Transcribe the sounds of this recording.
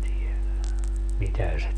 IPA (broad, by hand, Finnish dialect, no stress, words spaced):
tielæn mitæ se